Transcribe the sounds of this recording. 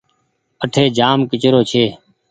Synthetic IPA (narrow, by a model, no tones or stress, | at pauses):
əʈʰeːd͡ʒaːmkɪt͡ʃɾoːt͡ʃʰeː